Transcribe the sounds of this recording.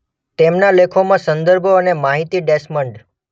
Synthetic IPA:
t̪emnalekʰomãsə̃nd̪əɾbʱoənemaɦit̪iɖesməɳɖ

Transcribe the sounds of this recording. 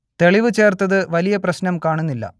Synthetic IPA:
t̪e̞ɭiʋɨt͡ɕe̞ːrt̪ɐðɨʋɐlijɐprɐɕnɐmkaːɳunːilːɐ̰

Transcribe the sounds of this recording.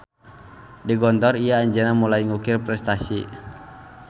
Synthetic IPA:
diɡɔnt̪ɔriaːɲd͡ʒənamulajŋukɪrpɾɛst̪asi

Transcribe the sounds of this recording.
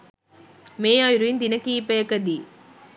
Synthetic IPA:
meːjaːjɾuɪnd̪ɪnɐkːijipːɐjɐkːɐd̪i

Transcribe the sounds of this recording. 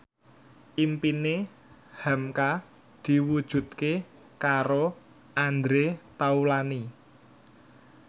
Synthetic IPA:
ʔimpine | hamka | d̪̥i̤wud̥ʒ̥ṳt̪̚ke | kaɾo | ʔand̪ɾet̪aulani

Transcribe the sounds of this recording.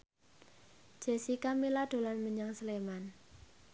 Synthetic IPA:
d͡ʒ̥e̤sikamilaɖ̥o̤lanməɲaŋsəleman

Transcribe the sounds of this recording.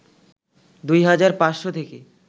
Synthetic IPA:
d̪ujɦad͡ʑaɾpãsʃot̪ʰeke

